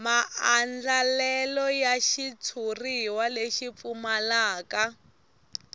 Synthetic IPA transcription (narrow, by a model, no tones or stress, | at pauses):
maand͡ɮalɛlɔjaʃit͡sʰuriwaleʃip̪fumalaːka